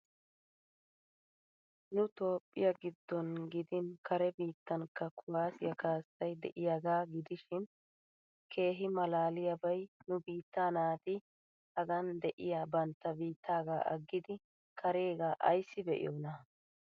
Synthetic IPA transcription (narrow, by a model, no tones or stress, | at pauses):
nʊt̪o̞ːpʼːɪ̰jɐɡɪd̪ːɔnɡɪd̪ɪnkɐɾɛbiːt̪ːɐnkːɐkʰʊwaːsɪjɐkaːsɐjd̪ɛ̰ʔɪjaːɡaːɡɪd̪ɪʃɪn | kʰe̞ːɦɪmɐlaːlɪjɐbɐjnʊbiːt̪ːaːnaːt̪ɪ | hɐɡɐnd̪ɛʔɪjaːbɐnt̪ːɐbiːt̪ːaːɡaːʔɐ̰ɡːɪd̪ɪ | kʰɐɾeːɡaːʔɐ̰jsːɪbɛʔɪ̰jonɐ